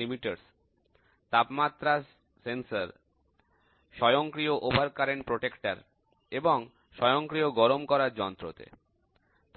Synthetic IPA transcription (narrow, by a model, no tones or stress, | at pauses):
imiʈeɾs | t̪apmat̪ːɾa | sensaɾ | ʃɔjoŋkɾioʔobʱaɾkaɾeɳpɾoʈekʈaɾ | eboŋ | ʃɔjoŋkɾioɡɔɾomkɔɾaɾd͡ʑɔnt̪ɾot̪ḛ | t̪